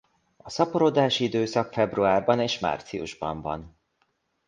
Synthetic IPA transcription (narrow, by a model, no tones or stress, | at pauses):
ɒsɒpoɾod̪aːʃiid̪øːsɒkfɛbruaːrbɒneːʃma̰ːrt̪siṵʒbɒ̰ɱvɒ̰n